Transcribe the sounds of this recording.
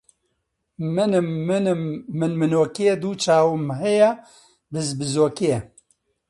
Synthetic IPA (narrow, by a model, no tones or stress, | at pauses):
mɨnɨmːɨnɨmːɨnmɨnoːkijed̪uːt͡ʃʰaːwɨmɦɛjɛ | bɨzbɨzoːkijɛ